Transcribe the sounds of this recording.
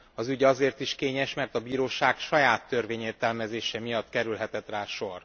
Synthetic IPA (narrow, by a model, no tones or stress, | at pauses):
ɒzyɟɒzeːrt̪iʃkeːɲɛʃmɛrt̪ɒbiːɾoːʃaːkʃɒjaːt̪ːørveːɲeːrt̪ɛlmɛzeːʃɛmijɒt̪kɛɾylɦɛt̪ɛt̪raːʃo̞r